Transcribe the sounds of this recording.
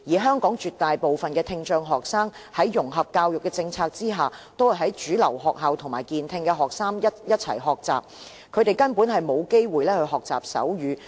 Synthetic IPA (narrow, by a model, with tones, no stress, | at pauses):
jiː˨˩ɦœː˥ŋkɔː˨˥ŋt͡ʃyː˨t̪ːaː˨jpo˨wfɐ˨nkɛː˧t̪ʰɪ˧ŋt͡ʃœː˧ŋɦɔː˨k̚saː˥ŋhɐ˨˥jːʊ˨˩ŋɦɐ˨p̚kaː˧wjʊ˨kːɛː˧t͡sɪ˧ŋt͡sʰaː˧k̚t͡siː˥ɦaː˨t̪o˥whɐ˨jɦɐ˨˥jt͡ʃyː˨˥lɐ˨˩wɦɔː˨k̚ɦɐ˨wt̪ʰʊ˨˩ŋmaː˨˩jkiː˨nt̪ʰɪ˧ŋkɛ˧ɦɔː˨k̚saː˥ŋjɐ˥jɐ˥t̚t͡sʰɐ̰˨˩jɦɔː˨k̚t͡sa̰ː˨p̚ | kʰɵ˨˧ɥt̪e˨jkɐ˥npuː˨˥nɦɐ˨jmo˨˧wke˥jwuː˨jlɛː˥hɵ˧ɦɔː˨k̚t͡sa̰ː˨˩p̚sɐ̰˨˥wjyː˨˧